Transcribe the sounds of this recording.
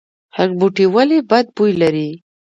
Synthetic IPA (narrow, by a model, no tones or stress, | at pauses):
hakbuʈiwalebad̪̚bujlaɾi